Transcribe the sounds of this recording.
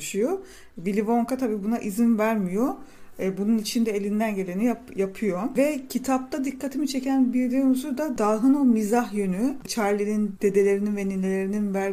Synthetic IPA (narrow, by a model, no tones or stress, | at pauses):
ʃɯjo | vilʲivo̞ŋkat̪ʰabiːbunaʔizinvæɾmijobununit͡ʃʰind̪ɛelʲind̪ænɟe̞lʲe̞nijapjapʰɯjovɛcʰit̪ʰap̚t̪ʰad̪ikʰːat̪ʰimit͡ʃʰe̞cʰænbiɾd̪ionuzud̪ad̪aːɦɯno̞mizaɦjønyt͡ʃʰaɾlʲinind̪e̞d̪e̞lʲe̞ɾininveninlʲelʲe̞ɾininvæɾ